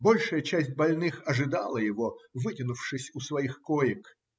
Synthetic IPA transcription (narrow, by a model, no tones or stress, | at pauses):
bo̞lʲʂɨjət͡ɕæsʲt̚ʲbɐlʲnɨxɐʐɨd̪ɑlˠəjɪvovɨtʲɪnʊfʂɨsʲʊsvɐixkojɪk